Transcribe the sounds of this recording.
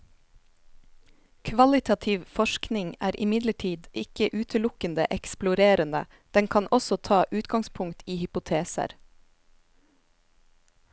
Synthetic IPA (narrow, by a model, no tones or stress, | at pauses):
kʰʋɑlɪt̪ʰɑt̪ʰɪʋfɔʃknɪŋæːɾʔɪmɪd̪ləʈʰiːd̪ʔɪkəʔʉːt̪ʰəlʊkənd̪ə̰ʔɛksplʊɾeːɾənə̰ | d̪̥ɛŋkʰɑnʔɔsɔt̪ʰɑːʔʉːt̪ɡɑŋspʰʊŋt̪ʰiːhʏpʊt̪ʰeːsə̰ɾ